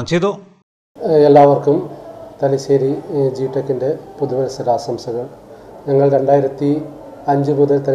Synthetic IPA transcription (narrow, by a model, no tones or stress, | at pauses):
t͡ɕejðo | elːaːʋɐrkumt̪ɐliɕeːɾid͡ʑiːʈːɐkːinde̞puðuʋɐlɐsɐɾaːsɐmsɐɣɐɭɲɐŋːɐɭɾe̞ɳɖaːjiɾɐt̪ːi | ɐɲd͡ʑɨbuðɐt̪ɐl